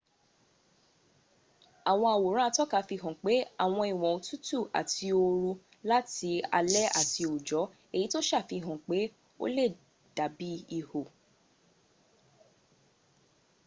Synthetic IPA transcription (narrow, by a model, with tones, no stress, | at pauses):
a˨w̃ɔ̃˧a˨wo˨ɾ̃ã˦˧tɔ˦ka˧fi˧ɦɔ̃˨k͡pe˨˦a˦˨w̃ɔ̃˧i˨w̃ɔ̃˨o˨tu˦tu˦˨a̰˨tʰi˧o˧ɾu˧ | la˦ti˧˦a̰˧lɛ˦a̰˦˨tʰi˧o˨d͡ʒɔ˨˦ | e˦˨ji˨˦to˦ʃa˦˨fi˧˨ɦɔ̃˨k͡pe˨˦ | o̰˦le˦˨ | d̥a˨˦bi˨˦i˦˧ho˨